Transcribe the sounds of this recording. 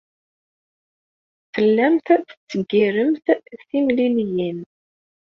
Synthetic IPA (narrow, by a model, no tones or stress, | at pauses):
fəlːæmθθə̥t͡sːəɡːiɾəmθθimliljin